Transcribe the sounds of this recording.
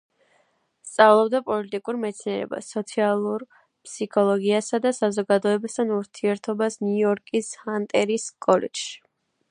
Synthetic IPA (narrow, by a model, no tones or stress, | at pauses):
st̪sʼavlˠɔbd̪apʼɔlit̪ʼikʼuɾmɛt̪sʰniɛɾɛ̰ba̰sːɔt̪sʰialˠuɾ | pʰsikʰɔlˠɔɡiasad̪asazɔɡad̪ɔɛbast̪ʰanuɾt̪ʰiɛɾt̪ʰɔbasniɔɾkʼishant̪ʼɛɾiskʼɔlɛ̰d͡ʒʃi̥